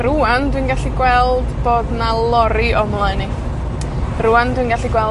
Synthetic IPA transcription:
ɾuandwinɡaɬiɡwɛlˠdboːdnalˠɔɾiɔmlˠaɨni | ɾuːandwinɡaɬiɡwɛlˠ

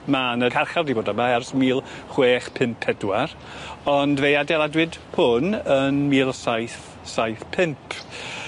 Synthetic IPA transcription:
manəkʰarχardiboːdamahɛrsmiːlˠχweːχpʰɪmpʰɛdwar | ɔndvejadɛlˠadwɨdpʰʊnənmiːlˠsajθ | sajθpʰɪmpʰ

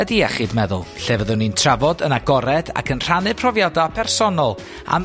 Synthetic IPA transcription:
ədiɛχɨdmɛðʊ̰lˠɬeːvəðɨwnintʰravɔdənaɡɔɾɛd̥a̰kʰənr̥anɨpʰrɔvjadapʰɛrsɔnɔlˠ | a̰m

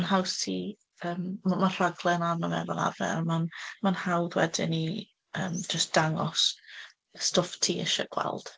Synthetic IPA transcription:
nɦawsʰi | əːmmar̥aɡlˠɛnanəmɛvɔna̰vɛ̰rmanmanhawðwɛ̰dɪni | əːmd͡ʒəstd̥aŋɔs | stɔftʰiːəʃɛ̰ɡ̥wɛ̰lˠd̥

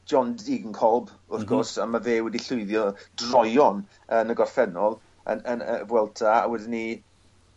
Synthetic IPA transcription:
d͡ʒɔndiɡənkʰɔlˠb | ʊrθɡ̥ɔrsamaveːwɛdiɬʊɨðjɔdrɔjɔn | ənəɡɔrfɛnɔlˠ | ə̰nənəvwɛlˠtʰaa̰wɛdɪni

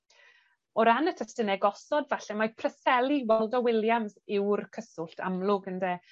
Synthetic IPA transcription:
ɔɾanətʰəstənɛɡɔsɔdvaɬɛmapʰrəsɛlˠiwɔlˠdɔwɪlˠjamsɪwrkʰəsʊɬtʰa̰mlˠʊɡəndeː

